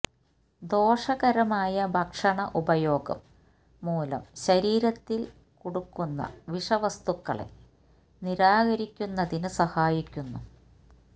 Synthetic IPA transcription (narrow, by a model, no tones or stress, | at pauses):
d̪o̞ːʂɐɣɐɾɐmaːjɐbʱɐkʂɐɳɐʔubɐjo̞ːɡɐ̰mː | uːlɐ̰mɕɐɾiːɾɐt̪ːil | koɽukːunːɐ̰ʋiʂɐʋɐst̪ukːɐ̰ɭḛ | niɾaːɣɐɾikʲːunːɐðinɨsɐhaːjikʲːunːu